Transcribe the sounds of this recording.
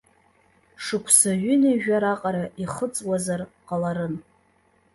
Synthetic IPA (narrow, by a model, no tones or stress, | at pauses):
ʂɨkʷʰsaɥʏnaʒᶣaɾaqʼaɾaʔiχət͡sʼwazarqʼalaɾɨn